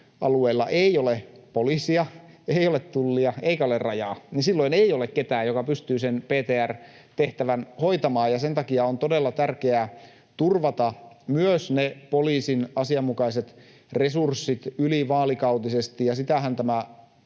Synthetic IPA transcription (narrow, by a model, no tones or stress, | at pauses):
ʔɑ̰lueilːɑ̰ʔeiolepoliːsiɑ | eiolet̪t̪ulːiɑeikæolerrɑjɑːninsilːoineijolekket̪æːjokɑpyst̪yːsenpeːt̪eːær | t̪eht̪æʋænhoit̪ɑmɑːjɑsent̪ɑkiɑont̪odelːɑt̪ærkeæ | t̪urʋɑt̪ɑ | myøsnepoliːsinɑsiɑmːukɑiset̪ | resursːit̪yliʋɑːlikɑut̪isest̪ijɑsit̪æhænt̪æmæ